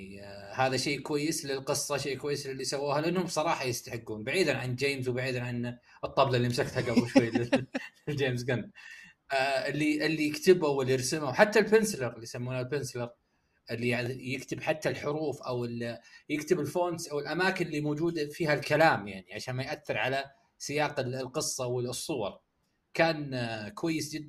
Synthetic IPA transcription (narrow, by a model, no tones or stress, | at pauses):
haːðaʃeːkwajːɪslɪlqɨsˤːɑʃeːʔkwajːɪslɪlːisawːaːhalɪʔanːhʊmbsˤɑɾˤɑːħɑjɪst̪aħɪɡːuːnbaʕiːd̪anʕanld͡ʒeːmzwbaʕiːd̪anʕanɨt̪ˤːɑblɑɪlːimsakt̪haɡabʊʃwajːlɪɪld͡ʒeːmzɡanː | ɪlːiʔɪlːijɪkt̪ɪbawɪlːijɑɾsɪmawħat̪ːalbɪnslɑɾˤɪlːijsamːuːnalbɪnsɪlɑɾˤ | ʔɪlːijɪkt̪ɪbħat̪ːalħʊɾuːfʔawɪljɪkt̪ɪbɪlfoːnsʔawɪlʔamaːkɪnlːimoːd͡ʒuːd̪afiːhalkalaːmjaʕniʕaʃaːnmajʔaθːɪɾʕala | sɪjaːqɪlqɨsˤːɑwɪsˤːʊwɑɾˤ | kaːnkwajːɪsd͡ʒɪd̪ːa